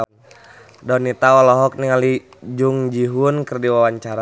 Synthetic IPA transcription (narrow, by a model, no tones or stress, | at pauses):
dɔnit̪aɔlɔɦɔk̚niŋali | d͡ʒuŋd͡ʒiɦunkərdiwawaɲt͡ʃaɾa